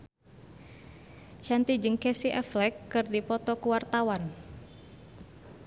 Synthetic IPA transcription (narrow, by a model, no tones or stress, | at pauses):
ʃant̪id͡ʒɨŋkɛsiʔɛflɛkːɨrdipɔt̪ɔkuwart̪awan